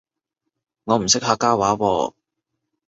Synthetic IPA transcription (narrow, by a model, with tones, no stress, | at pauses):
ŋɔː˨˧m̩˨˩sɪ˥k̚haː˧kːaː˥waː˨˥wɔ̰ː˧